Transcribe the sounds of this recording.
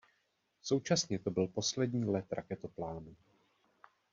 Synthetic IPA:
so̞wt͡ʃasɲɛt̪o̞bɪlpo̞slɛdɲiːlɛt̪ɾa̰kɛt̪oplaːnu

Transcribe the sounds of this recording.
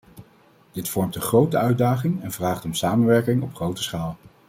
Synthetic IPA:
d̥ɪtfɔɹmtəχrowtəœɥdaːχɪŋɛnvraːχtɔmsaːmənʋɛɹkɪŋɔpχrowtə̥sχaːlə

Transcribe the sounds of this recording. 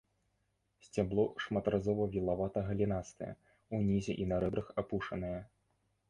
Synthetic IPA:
sʲt͡sʲablˠɔʂmat̪ɾʔazɔvɐvʲilˠavat̪ɐɣɐlʲinast̪ɨjɛ̰ | unʲizʲɛʔinɐɾɛbɾɐxapuʂɐnɐjɐ

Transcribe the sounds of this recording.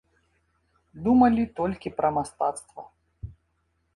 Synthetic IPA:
d̪umɐlʲit̪ɔlʲkʲipɾɐmast̪a̰t̪st̪vɐ̰

